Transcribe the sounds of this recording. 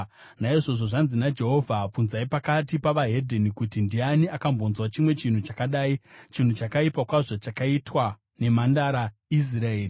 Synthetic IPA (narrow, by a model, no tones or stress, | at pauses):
naiʐo̞ʐo̞ʐanzinad͡ʒe̞ɦo̞vʱap͡funzaipakatipaʋaɦe̞dʱenikutindianiakambo̞nzwat͡ʃimwe̞t͡ʃin̤ut͡ʃakaɗaːit͡ʃin̤ut͡ʃakaipakwaʐat͡ʃakaitwa | ne̞mandaɾais̬iɾaeːri